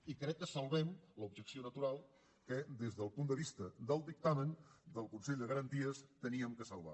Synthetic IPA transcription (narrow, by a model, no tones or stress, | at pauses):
ikɾɛkːəsəlˠβɛmlubʒəksionət̪uɾalˠ | kəd̪ezðəlˠpund̪əβist̪əðəlˠd̪ik̚t̪amənd̪əlˠkunsɛʎʲd̪əɣəɾənt̪iəst̪əniəmkəsəlˠβa̰